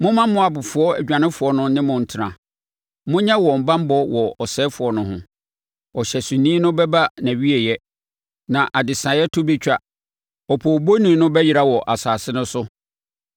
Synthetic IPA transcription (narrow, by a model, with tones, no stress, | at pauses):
mʊ̃˦mã˦mʊ̃˦a˨bʊ˨fʊ˨ɔ˦æ˨d͡ʑᶣã˨nɪ̃˦fʊ˨ɔ˦nʊ̃˦nɪ̃˦mʊ̃˨n̩˨tʰɪ˨ɾã˨ | mʊ̃˦ɲɛ̃˦wɔ˨m̩˨bã˦m̩˦bɔ˦wɔ˨ɔ˨sɛː˦fʊ˨ɔ˦nʊ̃˦ɦʊ̃˦ | ɔ˨ɕɛ˨sũ˨nĩː˦nʊ̃˦bɛ˦ba˦næ̃˨ɥi˦e˨jɛ˦ | nã˨ʔa˨dɪ˨sã˨jɛ˦tʰʊ˦bɛ˦t͡ɕᶣa˦ | ɔ˨pʰɔ˨bo˦nĩ˨˦nʊ̃˦bɛ˦ji˨ɾa˦wɔ˨ʔa˨saː˨sɪ˦nʊ̃˦sʊ˦